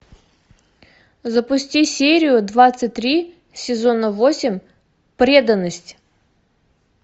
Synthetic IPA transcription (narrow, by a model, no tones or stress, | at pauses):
zəpʊsʲtʲisʲeɾʲɪjʊd̪vat̪sɨtʲt̪ɾʲi | sʲɪzonəvosʲɪmʲ | pɾʲe̞d̪ənːəsʲtʲ